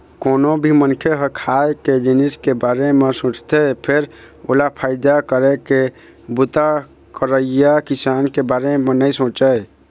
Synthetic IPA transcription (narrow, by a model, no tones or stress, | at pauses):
konobʱimənkʰeɦəkʰajked͡ʒiniskebaɾemesõt͡ʃt̪epʰeɾ | olapʰaɪd̪akəɾɛke | but̪a | kəɾəɪjakisankebaɾemenəjsõt͡ʃəj